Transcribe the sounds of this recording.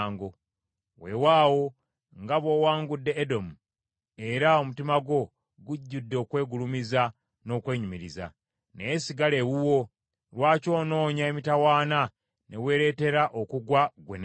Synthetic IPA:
ŋɡo̞ | we̞̰waːwo̞ | ŋɡaβo̞waːŋɡudːe̞ːdo̞mu | e̞ɾao̞mutimaɡo̞ | ɡuɟːudːoːkwe̞ːɡulumiza | no̞ːkwe̞ːɲumiɾiza̰ | neesiɡale̞wuwo̞ | lwaːco̞ːno̞ːɲaemitawaːna | ne̞we̞ːɾe̞ːte̞ɾaʔo̞kuɡwaɡwḛn

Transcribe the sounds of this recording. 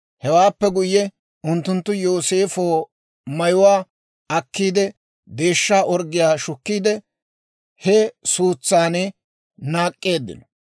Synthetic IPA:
hɛwaːpːɛɡʊjːɛ | ʊnt̪ːʊnt̪ːʊjo̞ːse̞ːfoː | mɐjʊwaː | ɐkːiːd̪ɛ | d̪e̞ːʃːaːʔɔɾɡɪjaːʃʊkːiːd̪ɛ | hɛsuːt͡sːaːnɛ | naːkʼːeːd̪ːɪ̰nɔ

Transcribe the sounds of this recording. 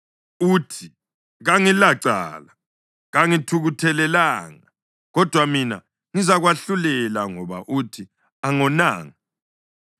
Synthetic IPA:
uːtʰi | ɣaŋilaǀa̰la | ɣaŋitʰuɣutʰɛlɛlaːŋa | ɣɔd̥ʱwamina̰ | ŋizaɣwaɬulɛlaŋɔβa̰ʔutʰi | aŋɔna̰ːŋi

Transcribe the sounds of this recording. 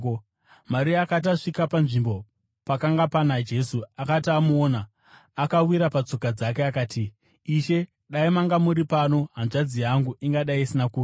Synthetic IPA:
maɾiaːkat̬aʂikapanʐimbo̞ | pakaŋɡapanad͡ʒe̞suakatiamuoːnaː | kawiɾapat͡so̞kad͡zake̞akaːti | iʃe̞ | ɗaimaŋɡamuɾipano̞ɦanʐad͡zijaŋɡuʔiŋɡaɗaiisinakuːra

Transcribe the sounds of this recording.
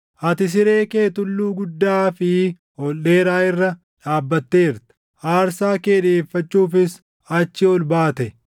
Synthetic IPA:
ʔɐt̪ɪs̬ɪɾe̞ːke̞ːt̪ʊlːuːɡʊd̪ːaːfɪ | hɔlːeːɾaːɪrːɐ | ᶑaːbːɐt̪ːe̞ːɪɾt̪ɐ̥ | ʔaːɾsaːkeːᶑeːfːɐt͡ʃːuːfɪs | ɐt͡ʃːɪɔlbaːt̪ɛ

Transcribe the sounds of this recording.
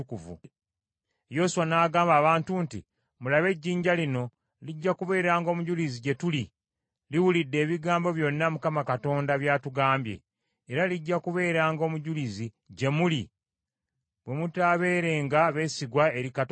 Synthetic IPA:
ukuvṵ | jo̞suwanaːɡaːmbaːβaːntuːntḭ | mulaβe̞ɟːiːɲɟalino̞ | liɟːakuβe̞ːɾaːŋɡo̞ːmuɟuliziɟe̞tuli | liwulidːe̞ːβiɡaːmbo̞βjo̞nːamukamakato̞ːndaβjaːtuɡaːmbje̞̰ː | ɾaliɟːakuβe̞ːɾaːŋɡo̞ːmuɟulizi | ɟe̞muli | βwe̞mutaβe̞ːɾe̞ːŋɡaβe̞siɡwae̞ɾikat

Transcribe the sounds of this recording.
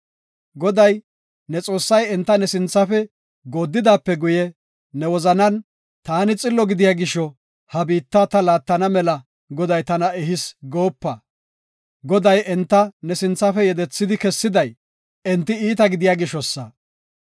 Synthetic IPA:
ɡɔd̪ɐj | nɛt͡sʼo̞ːsːɐjɛnt̪ːɐnɛsɪnt͡sːɐfɛ | ɡoːd̪ːɪd̪aːpːɛɡʊjɛ | nɛwɔzɐnɐn | t̪aːnɪt͡sʼɪlːɔɡɪd̪ɪjaːɡɪʃɔ | hɐbiːt̪ːɐt̪ɐlaːt̪ːɐnɐmɛlɐ | ɡɔd̪ɐjt̪ɐnɐɛɦɪsɡo̞ːpːɐ | ɡɔd̪ɐjʔɛnt̪ːɐnɛsɪnt͡sːɐfɛjɛd̪ɛt͡sːɪd̪ɪkɛsːɪd̪ɐj | ɛnt̪ːɪiːt̪ɐɡɪd̪ɪjaːɡɪʃɔsːɐ

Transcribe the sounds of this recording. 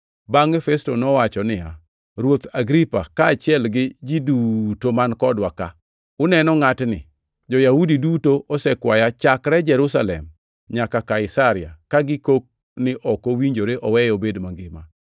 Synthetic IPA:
baŋɛfɛstonɔwat͡ʃɔnɪja̰ | ɾwot̪aɡɾipa̰kaːt͡ʃɪɛlɡɪd͡ʒidutomankɔdwaka̰ | ʊnɛnɔŋatnɪ̰ | d͡ʒɔjahudidutoʔɔsɛkwajat͡ʃakɾɛd͡ʒɛɾusalɛ̰m | ɲakakaɪsaɾɪa̰kaɡɪkok̚ | nɪʔɔkowiɲd͡ʒoɾeʔɔwɛjobedmaŋɡɪma̰

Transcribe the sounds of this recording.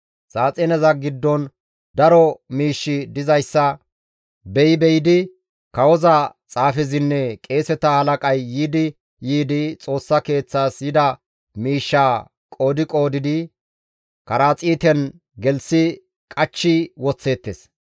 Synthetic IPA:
saːt͡sʼɛnɛzɐɡɪd̪ːɔn | d̪ɐɾɔmiːʃːɪd̪ɪzɐjsːɐ | bɛjɪbɛjɪd̪ɪ | kɐwɔzɐt͡sʼaːfɪzɪnːɛkʼe̞ːsɛt̪ɐhɐlɐkʼɐjːiːd̪ɪ | jiːd̪ɪt͡sʼo̞ːsːɐke̞ːt͡sːaːsjɪd̪ɐ | miːʃːaː | kʼo̞ːd̪ɪkʼo̞ːd̪ɪd̪ɪ | kɐɾaːt͡sʼiːt̪ɛn | ɡɛlsɪ | kʼɐt͡ʃːɪwɔt͡sːe̞ːt̪ːes

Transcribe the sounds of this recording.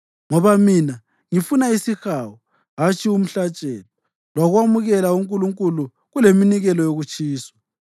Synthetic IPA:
ŋɔβamina | ŋifunaisixaːwɔ | ɦat͡ʃʰʼium̩ɬat͡ʃʼɛːlɔ | lwaɣwamuɣɛlauŋkʼuluŋkʼulu | ɣuleminiɣɛlɔjoɣut͡ʃʼʰiːswḁ

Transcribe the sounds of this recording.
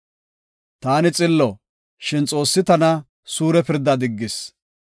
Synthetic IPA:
t̪aːnɪt͡sʼɪlːɔ | ʃɪnt͡sʼo̞ːsːɪt̪ɐnɐ | suːɾɛpɪɾd̪ːɐd̪ɪɡːɪs

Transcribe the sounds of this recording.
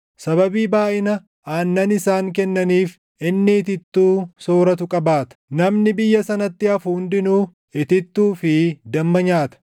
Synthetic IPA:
sɐβɐbiːbaːʔɪnɐ | ʔaːnːɐnɪsaːŋkɛnːɐniːf | ʔɪnːɪːt̪ɪt̪ːuːso̞ːɾɐt̪ʊkʼɐbaːt̪ɐ̥nɐmnɪbɪjːɐsɐnɐt̪ːɪɐfʊhʊnd̪ɪnuː | ɪt̪ɪt̪ːuːfɪd̪ɐmːɐɲaːt̪ɐ̥

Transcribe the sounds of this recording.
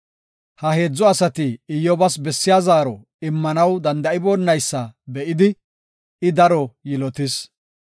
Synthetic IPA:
hɐhe̞ːd͡zːɔɐsɐt̪ɪɪjːɔbɐsbɛsːɪjaːzaːɾɔ | ɪmːɐnɐwd̪ɐnd̪ɐɪboːnːɐjsːɐbɛʔɪd̪ɪ | ɪd̪ɐɾɔjɪlɔt̪ɪs

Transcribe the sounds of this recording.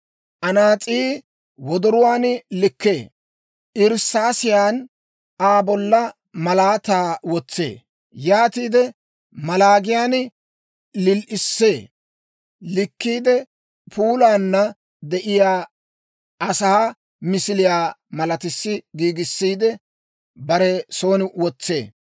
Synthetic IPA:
ʔɐnaːt͡sʼiː | wɔd̪ɔɾʊwaːnlɪkːe̞ː | ʔɪɾsːaːsɪjaːn | aːbɔlːɐ | mɐlaːt̪aːwɔt͡sːḛː | jaːt̪iːd̪ɛ | mɐlaːɡɪjaːn | lɪlʔɪsːeː | lɪkːiːd̪ɛ | pʰuːlaːnːɐ | d̪ɛʔɪjaː | ɐsaː | mɪsɪlɪjaːmɐlɐt̪ɪsːɪɡiːɡɪsːiːd̪ɛ | bɐɾɛso̞ːnɪwɔt͡sːe̞̰ː

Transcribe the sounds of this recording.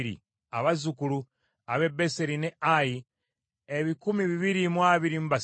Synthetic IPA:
ɾḭ | aβazukulu | aβe̞beseɾineaji | eβikumiβiβiɾimwaβiɾimβas

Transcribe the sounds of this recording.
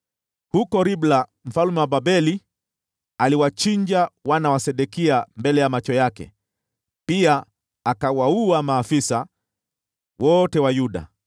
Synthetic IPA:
hukɔɾiblam̩falumɛwababɛli | aliwat͡ʃiɲd͡ʒawanawasɛɗɛkiambɛlɛjamat͡ʃɔjakɛ̰ | piaː | kawauamaːfisa | wɔtɛwajuɗa̰

